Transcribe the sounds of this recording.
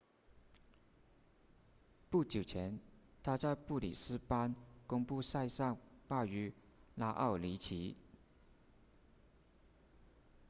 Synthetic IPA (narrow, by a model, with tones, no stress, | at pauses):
pu˥˩t͡ɕjo˨˩ʊt͡ɕʰjɛ˧˥nt̪ʰa˥t͡sa˥˧ɪpu˥˩lḭ˨˩sɹ̩˥pa˥nkʊ˥ŋpu˥˧sa˥˧ɪsɑ˥˧ŋpa˥˩y˧˥ | la˥ʔɑ̰˥˩ʊli˧˥t͡ɕʰi˧˥